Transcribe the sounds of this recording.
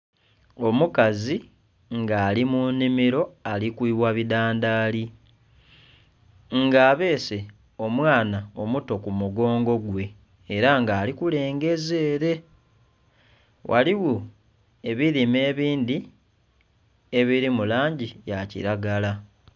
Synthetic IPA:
o̞mukazi | ŋɡaːlimunimiɾo̞alikwiːβwaβidaːndaːli | ŋɡaːβe̞ːse̞ | o̞mwaːnao̞muto̞kumuɡo̞ːŋɡo̞ɡwe̞ː | ɾaŋɡaːlikule̞ːŋɡe̞ze̞ːɾe̞ | wʔa̰liwu | e̞βiɾime̞ːβiːnd̪i | e̞βiɾimulaːɲɟijacḭɾaɡala

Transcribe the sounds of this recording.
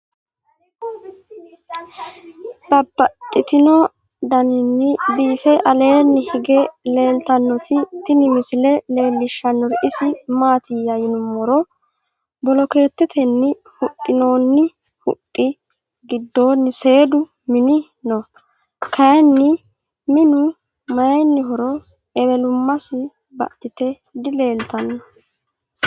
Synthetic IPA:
b̥ɐbːɐt̪ʼːɪt̪ɪno | d̪ɐnɪnːɪbiːfɛʔɐle̞ːnːɪhɪɡele̞ːlt̪ɐnːɔt̪ɪt̪ɪnɪmɪsɪlɛle̞ːlːɪʃːɐnːɔɾʔɪsɪmaːt̪ɪjɐjɪnʊmɔɾɔ | bɔlɔke̞ːt̪ːɛt̪ʰɛnːɪ | hʊt̪ʼːɪno̞ːnːɪ | hʊ̰t̪ʼːɪ | ɡɪd̪ːo̞ːnːɪse̞ːd̪ʊ | mɪnɪ | nɔ | kʰɐjɛnːɪ | mɪnʊ | mɐjɐjnːɪɦɔɾɔ | ɛbɛlʊmːɐsɪ | bɐ̰t̪ːɪt̪ɛ | d̪ɪle̞ːlt̪ɐnːɔ

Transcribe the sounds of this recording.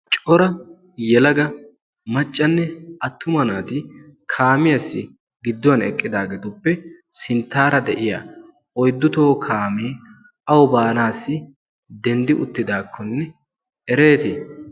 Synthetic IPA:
t͡ʃʼɔɾɐ | jɛlɐɡɐ | mɐt͡ʃʼːɐnːɛɐt̪ːʊmɐnaːt̪ɪkʰaːmɪjɐsːɪ | ɡɪd̪ːɔwɐnɛkʼːɪd̪aːɡet̪ʊpːɛ | sɪnt̪ːaːɾɐd̪ɛʔɪja̰ | ɔjd̪ːʊt̪o̞ːkʰaːmeː | ɐwɔbaːnaːsːɪ | d̪ɛnd̪ɪʔʊt̪ːɪd̪aːkʰːɔnːɛ | ɛɾe̞ːt̪ɪ

